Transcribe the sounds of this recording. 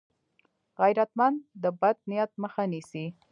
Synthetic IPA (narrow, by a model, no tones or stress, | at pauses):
ɣajɾat̪mand̪d̪əbad̪̚nijat̪̚məxanisi